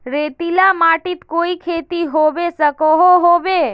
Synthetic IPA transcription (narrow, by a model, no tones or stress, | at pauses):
ɾeːt̪ilamaʈit̪koːikʰeːt̪iɦoʋesəkoɦoɦoʋe